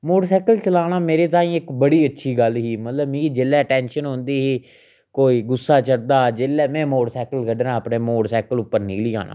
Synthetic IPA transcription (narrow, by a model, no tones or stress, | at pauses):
moːɽsɛːkəlt͡ʃəlaːɽaːmeːɾeːt̪̬aːĩːɪkbəɽiːətːʃʰiːɡəlɦiːmət̪ləbmĩːd͡ʒelːɛːʈɛ̃ːnʃənɦõːnd̪iːɦiː | koːiːɡʊsːaːt͡ʃəɽd̪aːd͡ʒeːlɛːmɛ̃ːmoːɽsɛːkəlkəɖɾãːapnẽːmoːɽsɛːkəlʊpːəɾniːliːa̰ːna̰ː